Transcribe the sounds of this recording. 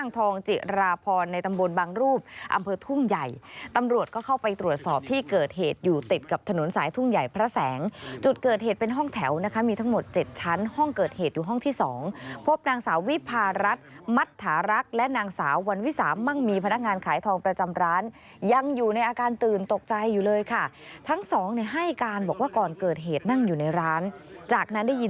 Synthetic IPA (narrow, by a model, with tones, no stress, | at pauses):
aː˥˩ŋt̪ʰɔː˧ŋt͡ɕi˨˩ɾaː˧pʰɔː˧nːa˧jt̪a˧mbo˧nbaː˧ŋɾuː˥˩p̚ʔa̰˧mpʰɤː˧t̪ʰu˥˩ŋja˨˩jt̪a˧mɾu˨˩ət̪̚kɔː˥˩kʰa˥˩wpa˧jt̪ɾu˨˩ət̪̚sɔː˨˩p̚t̪ʰiː˥˩kɤː˨˩t̪̚heː˨˩t̪̚juː˨˩t̪i˨˩t̪̚ka˨˩p̚t̪ʰa˧no˩˦nsaː˩˦jt̪ʰu˥˩ŋja˨˩jpʰɾa˦˥sɛː˩˦ŋt͡ɕu˨˩t̪̚kɤː˨˩t̪̚ɦeː˨˩t̪̚pe˧nɦɔ˥˩ŋt̪ʰɛ˩˦wna˦˥kʰa˦˥miː˧t̪ʰa˦˥ŋmo˨˩t̪̚t͡ɕe˨˩t̪̚t͡ɕʰa˦˥nhɔ˥˩ŋkɤː˨˩t̪̚heː˨˩t̪̚juː˨˩ɦɔ˥˩ŋt̪ʰiː˥˩sɔː˩˦ŋpʰo˦˥p̚naː˧ŋsaː˩˦wi˦˥pʰaː˧ɾa˦˥t̪̚ | ma˦˥t̪ʰːaː˩˦ɾa˦˥k̚lɛ˦˥naː˧ŋsaː˩˦wːa˧nwi˦˥sa̰ː˩˦mːa˥˩ŋmiː˧pʰa˧na˦˥k̚ŋaː˧nkʰaː˩˦jt̪ʰɔː˧ŋpɾa˧t͡ɕa˧mɾaː˦˥n | ja˧ŋjuː˨˩na˧jʔaː˧kaː˧nt̪ɯː˨˩nt̪o˨˩k̚t͡ɕa˧jːuː˨˩lɤː˧jkʰa˥˩ | t̪ʰa˦˥ŋsɔː˩˦ŋni˧˩ɦa˥˩jkaː˧nbɔː˨˩k̚waː˥˩kɔː˨˩nkɤː˨˩t̪̚ɦeː˨˩t̪̚na˥˩ŋjuː˨˩na˧jɾaː˦˥nt͡ɕaː˨˩k̚na˦˥nda˥˩ji˧